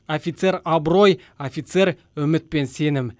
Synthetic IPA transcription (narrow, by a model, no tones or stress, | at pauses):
ofʲit̪se̞ɾɑbɾo̞j | ofit̪se̞ɾ | ʏmɪt̪̚pe̞nse̞nɪm